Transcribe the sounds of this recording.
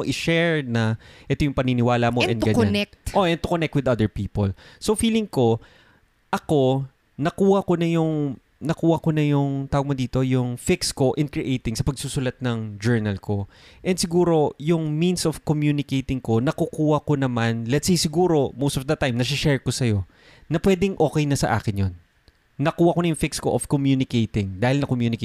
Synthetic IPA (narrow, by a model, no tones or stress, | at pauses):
ʔɪʃɛɹnɐʔɛt̪ojʊŋpɐninɪwaːlɐmoʔɛ̃nɡɐɲanɛk̚t̪ʔoʔɛnt̪ʊkonɛk̚t̪wɪd̪ɐd̪ɛɹpiːpo̰lsofiːlɪŋko̞ | ʔɐko̞ | nɐkuːhɐkonɐjʊŋ | nɐkuːhɐkonɐjʊŋt̪aːwoɡ̚mod̪iːt̪o̞jʊŋfɪksko̞ʔɪ̃nkɹɪʔejt̪ɪŋsɐpɐɡ̚susʊlɐt̪̚nɐŋd͡ʒɛɹnɐlko̞ | ʔɛnd̪sɪɡuːɾo̞jʊŋmĩnsov̥komjuːnɪkejt̪ɪŋko̞nɐkʊkuːhɐkonɐmanlɛt̪sejsɪɡuːɾo̞mowst̪ofd̪ɐt̪ajmnɐsɪʃɛɹkosɐjo̞ | nɐpwɛːd̪ɪŋʔo̞ːkɛjnɐsɐ̰ʔa̰ːkɪnjonː | ɐkuːhɐkonɐjʊŋfɪksko̞̰ʔov̥komjuːnɪkejt̪ɪŋd̪aːhɪlnɐkomjuːnɪkː